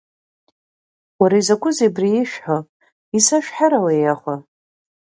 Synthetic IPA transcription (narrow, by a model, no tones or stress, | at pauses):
waɾaizakʷʼʊzebriiʃᶣħo | isaʃᶣħaɾawajaχʷa